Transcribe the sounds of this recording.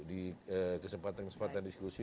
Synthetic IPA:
diəkəsəmpat̪ankəsəmpat̪andiskusi

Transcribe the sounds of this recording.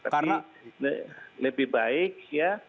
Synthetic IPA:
t̪akana | ləbɪhbaɪk̚ja

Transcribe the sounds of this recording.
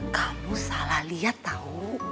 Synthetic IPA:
kamusalahlijat̪ːau

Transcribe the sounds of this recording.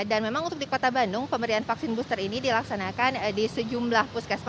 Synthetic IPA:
danmemaŋunt̪ʊk̚dikot̪abanʊŋpəmbəɾianfaksɪnbust̪ərinidilaksanakandisəd͡ʒumlahpuskɛsp

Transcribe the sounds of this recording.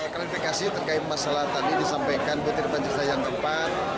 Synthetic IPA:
kɾifikasit̪ərkaɪt̪̚masalaht̪adidisampajkanbut̪ɪrbaɲd͡ʒirsajaŋdəpat̪̚

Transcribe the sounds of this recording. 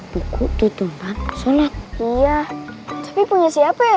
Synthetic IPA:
b̥ukʰuʔt̪ut̪umbansolat̪̚ijat̪ḁpipuɲasiapa

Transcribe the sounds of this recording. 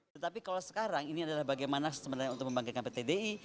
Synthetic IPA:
t̪ət̪apikalosə̥kaɾaŋiniadalahbaɡajmanasəmənarɲaunt̪ʊk̚əmbaŋkit̪kanpet̪edei

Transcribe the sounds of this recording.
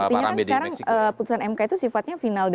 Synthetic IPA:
ət̪iɲakansəkaɾaŋəput̪usanɛmkait̪usifat̪̚ɲafinald

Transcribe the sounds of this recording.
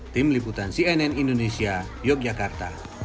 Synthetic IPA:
t̪imliput̪ansiɛnɛnindonɛsia | jɔk̚d͡ʒakart̪a

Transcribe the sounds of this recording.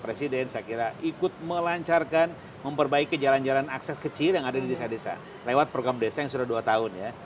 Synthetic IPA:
pɾesidɛnsəjakiɾaʔikʊt̪̚məlaɲt͡ʃarkan | məmpərbaikːəd͡ʒaland͡ʒalanaksɛskət͡ʃɪljaŋadadidesadesa̰ | lewat̪̚pɾoɡɾamdesajaŋsudahduat̪aʊnja

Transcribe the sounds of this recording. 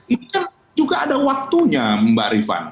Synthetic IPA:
inikan | d͡ʒuɡaːdawak̚t̪uɲaməmba̰ɾifa̰n

